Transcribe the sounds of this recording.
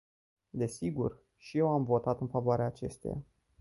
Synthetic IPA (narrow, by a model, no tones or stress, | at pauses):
d̪e̞siɡṵr | ʃije̞wamvo̞t̪at̪ɨnfavoaɾeaːt͡ʃe̞st̪eja̰